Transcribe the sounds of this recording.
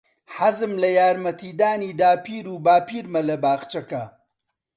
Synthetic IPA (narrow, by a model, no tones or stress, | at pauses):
ħazɨmlɐjaːɾmɐt̪ʰiːd̪aːniːd̪aːpʰiːɾuːbaːpiːɾmɐlɐbaːɣt͡ʃɐkɐ